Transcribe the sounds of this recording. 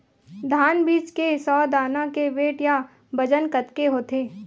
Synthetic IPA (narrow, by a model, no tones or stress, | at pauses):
d̪ʱaːnbiːt͡ʃkesɔːd̪aːnãkeʋeːʈja | bɐd͡ʒənkət̪keɦoːt̪eː